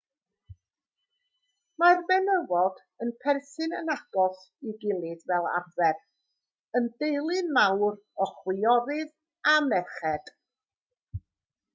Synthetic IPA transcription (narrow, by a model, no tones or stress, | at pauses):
marbɛnəvɔd̥ | ənpʰɛrsɨnənaɡ̥ɔs | iɡɪlˠɨdvɛlˠa̰rvɛr | əndejlˠɨnmawr | ɔχwɪɔɾɨð | amɛχɛd̥